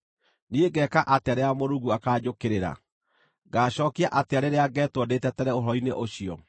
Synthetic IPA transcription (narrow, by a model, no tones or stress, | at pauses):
nieɡɛːkaʔateaɾeamoɾuɣuakaːd͡ʑokeɾeɾa̰ | ɡaːɕɔːkiaʔateaɾeɾeaɡɛːtwɔdetɛtɛɾɛoɦɾɔineʔoɕiɔ